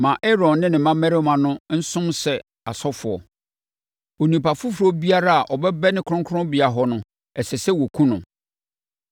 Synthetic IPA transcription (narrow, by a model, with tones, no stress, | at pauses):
mã˨ʔɛ˦ɾɔ̃˨nːɪ̃˦nɪ̃˨mã˦mɛ̃˦ɾɪ˦mã˨nʊ̃˦n̩˦sʊ̃˦msɛ˨ | a̰˨sɔ˦fʊ˨ɔ̰˨ | o˨nĩ˨pa˨fʊ˦fɾɔ˦bi˦a˦ɾa˦a˨ʔɔ˨bɛ˦bɛ˦nɪ̃˦kʰʊ˦ʊ̃˦ŋkʰʊ˦ʊ̃˦bɪ˨a˨ɦɔ˦nʊ̃˨ | ɛ˨sɛ˨sɛ˦wɔ˨kʰũ˦nʊ̰̃˨